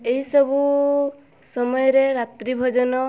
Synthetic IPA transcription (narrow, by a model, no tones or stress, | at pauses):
eɦisɔbu | sɔmɔjɔɾeɾat̪ɾibʱɔd͡ʒɔnɔ